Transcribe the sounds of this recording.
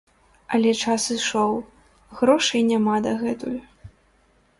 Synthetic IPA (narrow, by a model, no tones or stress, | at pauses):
ɐlʲɛt͡ʂasɨʂɔw | ɣɾɔʂɨjnʲamad̪ɐɣɛt̪ujʊ